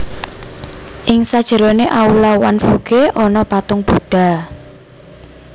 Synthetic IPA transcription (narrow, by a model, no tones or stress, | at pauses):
ʔɪŋsad̥ʒ̥ə̤ɾoneʔaulawanfuɡ̥eʔɔnɔpat̪ʊŋb̥uɖ̥a̤